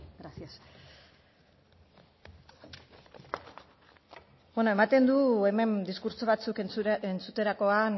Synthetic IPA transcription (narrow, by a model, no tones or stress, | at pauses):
ɡɾasias | bwenoe̞mat̪e̞nd̪ue̞me̞nd̪iskuɾso̞β̞at͡sukent͡sut̪e̞ɾako̞an